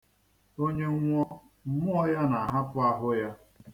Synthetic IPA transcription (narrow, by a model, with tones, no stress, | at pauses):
o˦ɲe˦ŋʷɔ˦ | m̩˦mʊ˦ɔ˦ja˦na˨ɦa˦pʊ˦a˦ɦʊ˦ja˦